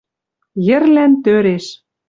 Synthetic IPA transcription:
jɘ̆rlænt̪øɾeʃ

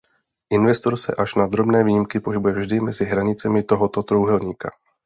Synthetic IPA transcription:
ʔɪnvɛst̪o̞ɾsɛ̰ʔaʃnad̪ɾo̞bnɛːviːjɪmkɪpo̞ɦɪbujɛvʒdɪmɛzɪɦɾaɲɪt͡sɛmɪt̪o̞ɦot̪ot̪ɾowɦɛlɲiːka̰

